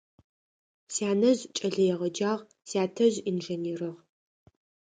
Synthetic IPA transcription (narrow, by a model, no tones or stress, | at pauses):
sjaːnɐʑt͡ʃʼɐɮɐjɛʁɐd͡ʒaːʁ | sjaːtʰɐʑinʒeniːrɨʁ